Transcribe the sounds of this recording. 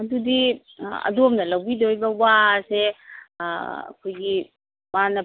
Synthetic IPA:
ɐdudi | ɐ̰duɔmnɐlawbidojbɐwase | ɐ̰kʰojɡi | manɐ

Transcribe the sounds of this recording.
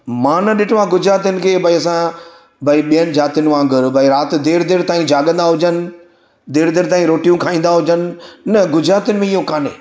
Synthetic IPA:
mãːnɐɗɪʈʰʋãɡʊd͡ʑɾaːt̪̬ənɪ̆kʰeːbʱɐiɐs̬ã | bʱɐiɓiənɪ̆d͡ʑaːt̪ijʊnɪ̆ʋãːŋɡɪɾbʱɐiɾaːt̪ɪ̆d̪eːɾd̪eːɾt̪aːĩd͡ʑaːɡə̃nd̪aɦʊd͡ʑənɪ̆ | d̪eːɾd̪eːɾt̪aːĩɾoːʈijũkʰaːĩːnd̪aɦʊd͡ʑənɪ̆ːɐɡʊd͡ʑɾaːt̪ənɪ̆mẽiɦokaːnḛː

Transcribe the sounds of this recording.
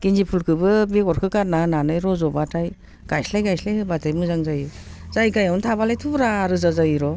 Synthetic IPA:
kinzipʰulkʰɯbɯbeɡɔɾkʰɯkaɾnananɯjɾɔzɔbatʰaj | ɡ̥ajslajɡajslajɯbatajmɯzaŋzajɯ | zajkajawntʰabalajtʰubɾaːɾɯzazajɾɔ

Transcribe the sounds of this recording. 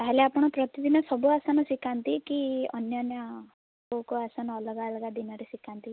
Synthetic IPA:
t̪aɦeleapɔɽ̃ɔpɾɔt̪id̪inɔsɔbuasanɔsikant̪ikiɔ̰njɔnjɔ | okɔasanɔːlɔɡalɡad̪inɔɾesikʰant̪i

